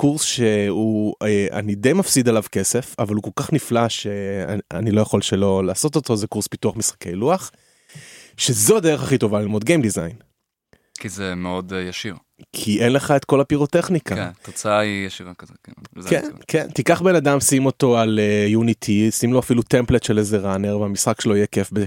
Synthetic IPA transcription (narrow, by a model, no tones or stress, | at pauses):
kuʁsʃe̞uea̰nid̪e̞jmafsid̪alavke̞se̞favaluko̞lkaχniflaʃḛa̰nilo̞jaχo̞lʃe̞lo̞laːso̞t̪oto̞zekuʁspituaχmisχḁke̞jluaχ | ʃezoad̪eʁeχaχit̪o̞valilmo̞d̪ɡejmd̪izajn | kizemeo̞d̪jaʃiʁ | kʰiʔe̞nle̞χae̞t̪ko̞lapiʁo̞te̞χnikantot͡saaijeʃivakkkḛnkʰḛnt̪ikaχbe̞nadamsimo̞to̞alejunitʰisimlo̞afilut̪e̞mplet̪ʃelezeʁaneʁveamisχakʃeloijekefbe